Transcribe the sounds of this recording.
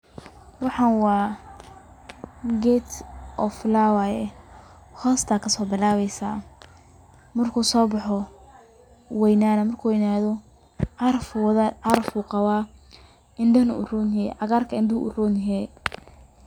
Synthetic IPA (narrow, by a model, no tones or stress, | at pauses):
wɑħɑːnwɑː | ɡɛt̪ʔɔflawajɛ | hɔːst̪ʰakʰɐsɔːbɪlaːβɛjsaː | mɐrkʰuːsɔːbɑħɔ | wɛjnaːnɐmɐrkʰuːwɛjnaːðɔ | ʕɑɾɐfðʕɑɾɐfuːqɑwaː | ɪnd̪ɐnʊʔʊruːnɛʕɑɣaːrkʰɐɪnd̪ɪuʔʊ̰ruːnɛ